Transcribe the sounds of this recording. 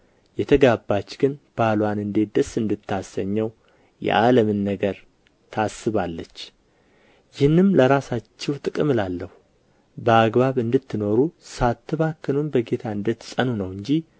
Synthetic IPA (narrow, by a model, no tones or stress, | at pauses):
jɛt̪ʰəɡabːat͡ʃːɡɨnb̥alwanɨnd̪e̞t̪̚d̪əsɨnd̪ɨt̪ʰːasəɲːɛw | jɛ̰ʔaləmɨnːəɡəɾ | t̪ʰasːɨβalːət͡ʃː | jɪhnːɨmləɾasat͡ʃːɛwt̪ʼɨkʼɨmɨlalːəhu | bəaɡβaβɨnd̪ɨt̪ʰːɨno̞ɾusat̪ʰːɨβakːɨlunbəɡe̞t̪ʰaɨnd̪ɨt̪ːsʼənunəwɨɲd͡ʒi